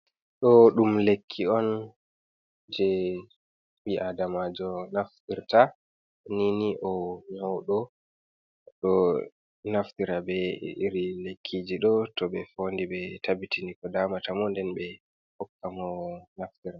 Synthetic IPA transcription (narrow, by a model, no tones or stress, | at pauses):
ɗɔɗumlekʰːiɔn | d͡ʒɛ | ɓiʔadamad͡ʒɔnaftiɾta | niniʔɔɲawɗɔ | ɗɔ | naftiɾabɛiɾilekʰːid͡ʒiɗɔtɔɓɛfondiɓɛtabitinikɔdaːmatamɔndɛnbɛ | hɔkːamɔnaftiɾa